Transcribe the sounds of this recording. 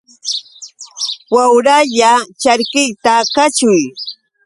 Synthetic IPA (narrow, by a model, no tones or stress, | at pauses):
wawɾaʎat͡ʃaɾkɪjt̪akat͡ʃʊj